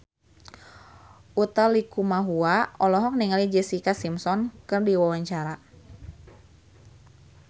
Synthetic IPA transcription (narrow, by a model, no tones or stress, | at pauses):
ʔut̪alikumaɦuaɔlɔɦɔk̚niŋalid͡ʒɛsikasimsɔnkɨrdiwawaɲt͡ʃaɾa